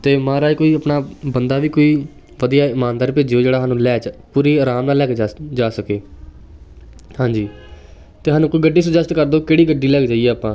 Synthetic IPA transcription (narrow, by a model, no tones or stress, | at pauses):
t̪eːmãːɾaːekoːiːəpnaːbənd̪aːʋiːkoːiː | ʋəd̪ijaːɪmãːnd̪aːɾpeːd͡ʒjoːd͡ʒeːɽaːɦaːnũːlɛːt͡ʃpuːɾiːəɾaːmnaːlːɛːked͡ʒaːsəkeː | hãːɲd͡ʒiː | t̪eːɦaːnũːkoiːɡəɖːiːsʊd͡ʒəst̪kəɾd̪oːkeːɽiːɡəɖːiːlɛːɡd͡ʒaːiɛːaːpãː